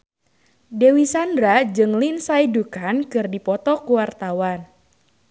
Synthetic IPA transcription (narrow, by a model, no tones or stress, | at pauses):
dewisandɾad͡ʒɨŋlinsaidukankɨrdipɔt̪ɔkuwart̪awan